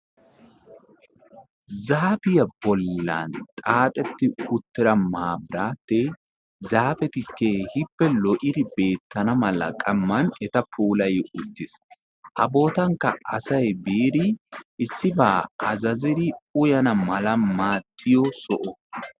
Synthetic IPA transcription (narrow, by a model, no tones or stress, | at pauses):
zaːbɪjɐbɔlːɐ̰nt̪ʼaːt̪ʼɛt̪ːɪʊt̪ːɪɾɐmaːbɾaːt̪ːɛ | zaːfɛt̪ɪkːɛhɪpːɛlɔʔɪd̪ɪbe̞ːt̪ːɐnɐmɐlɐ̰kʼɐmːɐnɛt̪ɐpʰuːlɐjɪʊt͡sːɪs | ʔɐbo̞ːt̪ɐŋkːɐɐsɐjbeːd̪ɪʔɪsːɪbaːʔɐzɐzɪd̪ɪʊjɐnɐmɐlɐmaːt̪ːɪjɔsɔʔɔ